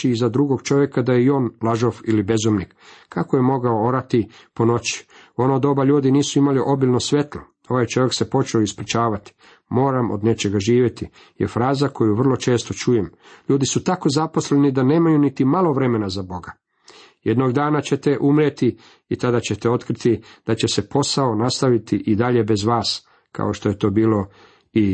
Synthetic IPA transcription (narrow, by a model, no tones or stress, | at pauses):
iizad̪ɾuɡo̞ɡt͡ʃo̞ʋje̞kad̪ajeio̞ːnlˠaʒofilibe̞zomnikkːakojemo̞ɡaoo̞ɾat̪i | pono̞t͡ɕi̥ | o̞noːd̪o̞baʎuːd̪iniːsuimaliʔo̞bilʲnosʋe̞t̪lo | o̞ʋajt͡ʃo̞ʋje̞kse̞po̞t͡ʃeoispɾit͡ʃaːʋat̪i̥ | mo̞ːɾamo̞̰d̪ne̞t͡ʃe̞ɡaʒiːʋje̞t̪i | jḛfɾaːzako̞juʋrlˠo̞t͡ʃe̞ːst̪o̞t͡ʃujemʎuːd̪isut̪ako̞zapo̞sle̞nid̪ane̞ːmajunit̪imalˠo̞ʋɾe̞me̞nazabo̞ɡa | jed̪noɡd̪aːnat͡ɕe̞t̪e̞ʔumɾjet̪i | it̪ad̪at͡ɕe̞t̪eo̞t̪kɾit̪id̪̥at͡ɕe̞se̞po̞saonast̪aʋit̪iʔid̪aʎe̞be̞zʋaːs | kʰa̰oʃt̪oje̞t̪o̞ːbiːlo̞ | i